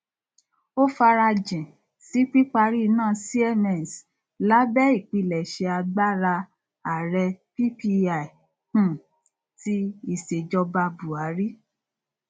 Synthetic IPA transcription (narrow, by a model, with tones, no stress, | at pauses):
o˦fa˧ɾa˧d͡ʒɛ̃˨ | si˨˦k͡pi˦k͡pa˧ɾi˦˧nãː˦˨si˦ɛ˦˨nɛ˦˨n˨s | la˨˦bɛ˦i˦˨k͡pi˧lɛ˨ʃe˧a˧ɡ͡ba˦ɾa˧ | a˨ɾɛ˧pi˦pi˧a˨i˨ | ũ˦˨ | ti˦i˦˨ʃe˨d͡ʒɔ˧ba˧bu˨a˨˦ɾi˦